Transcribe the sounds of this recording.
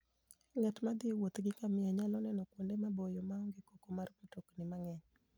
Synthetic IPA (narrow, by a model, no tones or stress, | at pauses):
ŋatmad̪iwot̪ɡɪkamɪjaɲalɔnɛnɔkwondemabojɔmaɔŋɡɪkokomarkotoknɪmaŋɛɲ